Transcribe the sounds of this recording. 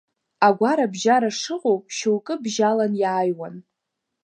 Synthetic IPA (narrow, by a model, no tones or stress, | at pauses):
aɡʷaɾabʒaɾaʂɨqʼowpʼʃowkʼɨbʒalanjaːjwan